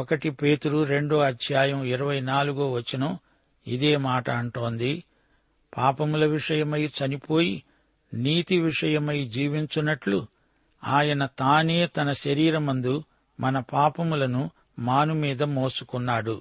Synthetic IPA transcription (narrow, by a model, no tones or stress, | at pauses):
ɔkɐʈipeːt̪uɾuɾe̞ɳɖoːɐd̪ʱjaːjɐmiɾɐʋɐjnaːluɡoːʋɐt͡ʃːinɐm | ḭd̪e̞ːmaːʈɐːɳʈo̞ːnd̪i | paːpɐmulɐʋiʂɐjɐmɐjt͡ʃɐnipo̞ːji | niːt̪iʋiʂɐjɐmɐjd͡ʒiːʋiɲt͡ʃunːɐʈlu | aːjɐnɐt̪aːne̞ːt̪ɐnɐʃɐɾiːɾɐmɐnd̪u | mɐnɐpaːpɐmulɐnu | maːnumiːd̪ɐmoːsu̥kunːaːɽu